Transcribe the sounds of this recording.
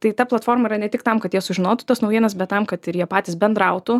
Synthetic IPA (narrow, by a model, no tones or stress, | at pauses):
t̪ɐɪt̪ɐplˠɐt̪foːrmɐiːɾɐnʲɛt̪ʲɪkt̪ɐmkɐt̪jiɛsʊʒʲɪnoːt̪ʊ̥t̪ɐsnɐʊjʲiɛnɐs̬bʲɛt̪tːɐmkɐt̪ɪɾjiɛpɑːt̪ʲiːsbʲɛnd̪ɾɐʊt̪ʊ